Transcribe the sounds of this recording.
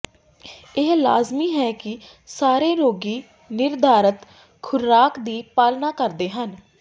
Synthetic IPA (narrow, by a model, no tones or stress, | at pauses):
ɪɦlaːzmiːɦɛːkɪ | saːɾeːɾoːɡiː | nɪɾd̪ʱaːɾət̪ | kʰʊɾɾaːkd̪iːpaːlnaːkəɾd̪eːɦən